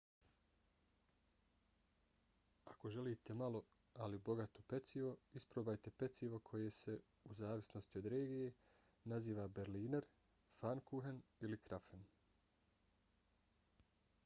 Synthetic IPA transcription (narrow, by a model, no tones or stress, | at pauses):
ako̞ʒe̞liːt̪e̞malo̞ | alibo̞ɡat̪ope̞t̪siʋoispɾobajt̪e̞pe̞t̪siʋokʰo̞jese̞ | uzaːʋisno̞st̪io̞d̪ɾeːɡije̞ | naziːʋabe̞ɾliːnaɾ | fankuɦenilikɾafen